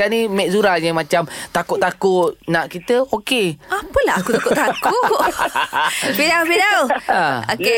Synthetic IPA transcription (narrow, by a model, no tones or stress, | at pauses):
animɛʔzuɾajamãt͡ʃamt̪akuʔt̪akʊt̪̚naʔkit̪əokeapəlaakut̪akʊʔt̪akʊʔ | pidawfidawəoke